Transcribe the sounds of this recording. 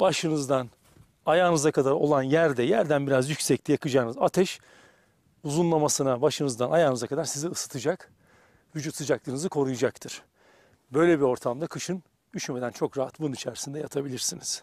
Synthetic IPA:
b̥aʃɯnɯzd̪an | ajaːnɯzakʰad̪aɾo̞̰lˠanjæɾd̪ɛjæɾd̪ænbiɾazjycʲsɛclʲijakɯd͡ʒaːnɯzat̪ʰɛʃ | uzunlˠamasɯnabaʃɯnɯzd̪anajaːnɯzakʰad̪aɾsiziɯsɯ̥t̪ʰɯd͡ʒak | vyd͡ʒut̪sɯd͡ʒaklˠɯɾɯnɯzɯkʰo̞ɾujad͡ʒak̚t̪ʰɯɾ̥ | bø̞jlʲɛbiɾo̞ɾt̪ʰamd̪akʰɯʃɯn | d̪yʃme̞d̪ænt͡ʃʰo̞kɾaɦat̪̚bununit͡ʃʰæɾisind̪ɛjat̪ʰabilʲiɾsiniz̥

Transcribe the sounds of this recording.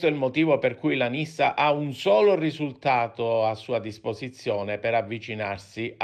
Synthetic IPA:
t̪oɛilmot̪iːvoperkujlanisːaʔaunsɔːlorizult̪aːt̪oasːuːad̪ispozit̪sːjɔːnepɛɾavːit͡ʃinarsi

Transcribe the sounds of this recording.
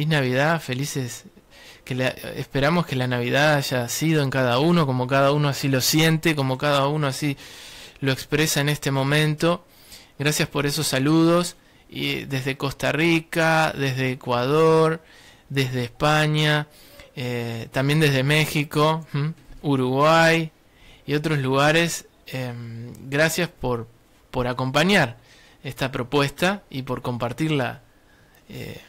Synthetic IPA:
inaβiðafe̞lises | kelaḛspe̞ɾamo̞ske̞lanaβ̞iðaaʒasið̞o̞eŋkaðauno̞ko̞mo̞kaðauno̞asilo̞sje̞nt̪eko̞mo̞kaðaunoasilo̞ekspɾesaene̞st̪e̞mõ̞mẽ̞nt̪o̞ | ɣɾasjaspo̞ɾe̞so̞sːaluð̞o̞s | ðe̞zðe̞ko̞st̪arikaðe̞zðe̞ːkwað̞oɾ | d̪ezðeːspaɲa | et̪ambje̞nd̪e̞ɦðe̞me̞xiko̞ | uɾuɣwaj | io̞t̪ɾo̞sluɣaɾe̞s | emɣɾasjaspo̞ɾ | po̞ɾako̞mpaɲaɾ | est̪apɾo̞pwe̞st̪aipo̞ɾko̞mpaɾt̪iɾla̰ | ḛ

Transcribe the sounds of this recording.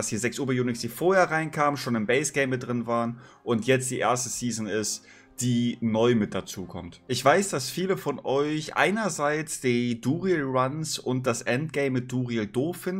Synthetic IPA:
ashiːɐzɛksʔuːbɐjuːnɪksd̥iːfoːɐheːɐʁaɪnkʰaːmənʃoːnɪmbɛɪsɡ̥eɪmɪt̚d̥ʁɪnvaːʁən | ʔʊntjɛt͡std̥iːʔḛːɐstəsiːzn̩ɪst | d̥iːnɔʏmɪt̚d̥at͡suːkʰɔ̰mtʔɪçv̥aɪsd̥asfiːləfɔnʔɔʏçʔa̰ɪnɐzaɪt͡sd̥iːduːʁilʁansʊnt̚d̥asʔɛnt̚ɡ̥ɛɪmːɪt̚d̥uːʁiəldoːfɪnd̩

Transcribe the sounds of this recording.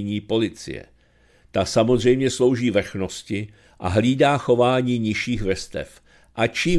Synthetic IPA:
ɲiːpo̞lɪt͡sɪ̰jɛ̰ | t̪asamozr̝ɛjmɲɛslo̞wʒiːvr̩xno̞scɪ | ʔa̰ɦliːdaːxo̞vaːɲiːɲɪʃiːxvr̩st̪ɛ̰f | ʔat͡ʃiː

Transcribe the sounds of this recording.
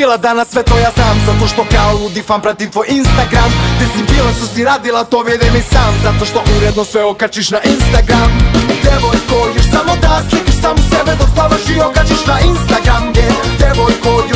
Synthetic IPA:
ilˠad̪anasːʋɛt̪ʋojasaːmzat̪oʃt̪okaolud̪ifampɾat̪it̪ʋojinst̪aɡɾamd̪ɛsibilast̪osiɾaːd̪ilˠat̪oʋjed̪ɛmisaːmzat̪oʃt̪oʔuɾɛd̪nosʋɛokat͡ʃiʃnaʔinst̪aɡɾamd̪ɛʋojkoɡeʃsamod̪aslisaːmsɛbɛd̪ost̪aʋaʃiokat͡ʃiʃnainst̪aɡɾamd̪eʋojko

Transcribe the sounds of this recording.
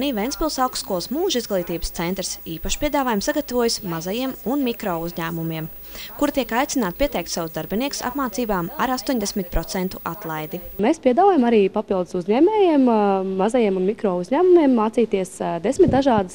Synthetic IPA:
niːʋʲɛnspʲilˠsalˠksːkɔlˠsmuːʒizɡlˠiːt̪iːbə̥st̪ɛnt̪ɾsiːpaʃpʲiɛd̪aːvaːjumsaɡat̪avuɔjusmazajiɛmunmikɾɔːuzʲɲæːmumiɛm | kuɾt̪iɛkajt̪inaːt̪piɛt̪ɛjk̚t̪savsd̪aɾbiniɛku̥sa̰pmaːt̪siːbaːmaɾast̪uɔɲʲd̪esmit̪̚pɾɔt̪sɛnt̪uʔat̪lˠajd̪imeːspiɛd̪aːvaːjamaɾiːpapilˠd̪ɨsuzɲɛːmɛːjiɛmːazajiɛmunmikɾɔːuzɲæːmumiɛmːaːtsiːt̪iɛsd̪esmit̪̚d̪aʒɑːd̪əs

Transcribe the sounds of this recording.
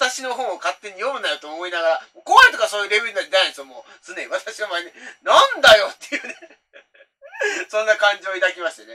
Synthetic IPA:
at̪aɕino̞ɦõ̞ɰ̃okat̪ːe̞ɲ̟ijo̞mɯ̟najot̪oːmo̞inaɡaɾamoːkoãnt̪okasoːjɯ̟ɾe̞bʲeɾinaed̪eãĩsɨomoː | sɨneiβat̪aɕiβamaenʲinãnd̪ajo̞t̪ːe̞jɯ̟ːne | sõ̞nːakãɲ̟d͡ʑioid̪akʲimaɕi̥t̪ene̞

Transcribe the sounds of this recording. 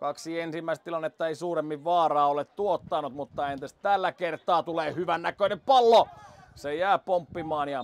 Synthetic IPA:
kɑksiensimːæist̪ilɑnːet̪ːɑeisuːremːiʋʋɑːrɑːolet̪t̪uot̪ːɑnut̪mut̪ːɑent̪est̪ælːækert̪ˑɑːt̪uleːhyʋænnækøneppɑlːosejæːpompːimɑːnjɑ

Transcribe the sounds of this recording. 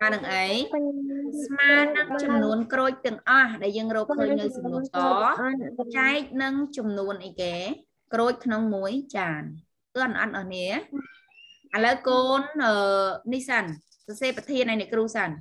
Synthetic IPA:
aːnɨŋʔəj | smaːnɨŋt͡ɕɑmnuənkroːc̚t̪ɨ̆əŋʔɑhɗaɛljəːŋrɔːk̚kʰəːc̚nɨwsɑmnuːkɑːt͡ɕaɛk̚nɨŋt͡ɕɑmnuənʔəjkeː | kroːc̚kʰnoŋmuəjt͡ɕaːn | k̪ːənʔɑ̰t̪̚ʔɑːhniə | ʔaləwkoːnʔəːihsan | sɑseːpat̪ʰiənʔajnɛkruːhsan

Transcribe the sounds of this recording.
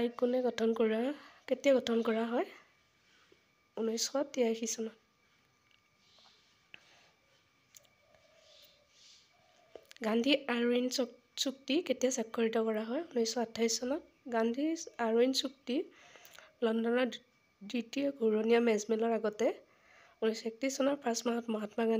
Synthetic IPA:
ajkunɛɡɔtʰɔnkoɹaketijaɡɔtʰɔnkɔɹaɦɔj | unɔjsɔtijaxisɔnɔ | ɡandʱiaɹins | suk̚tiketijasakʰːɔɹitɔkɔɹaɦɔjunɔjsɔatʰːajsɔnɔt | ɡandʱiaɹinsuk̚ti | lɔndɔnɔɹ | ditiɔɡʱuɹonijamɛzmɛlɔɹaɡɔtɛ | unɔjsɔɛk̚tisɔnɔɹpãsmaɦɔtmɔɦatmaɡan

